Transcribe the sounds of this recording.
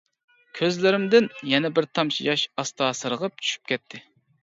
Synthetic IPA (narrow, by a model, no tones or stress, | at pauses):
kʲʰøzlɪɾɪmd̪ɪnjɛnɛbɪɾt̪ʰɑmt͡ʃʰijɑʃɑst̪ɑːsɨɾəʁəp̚t͡ʃʰy̥ʃy̥p̚kʲʰɛt̪ʰːɪ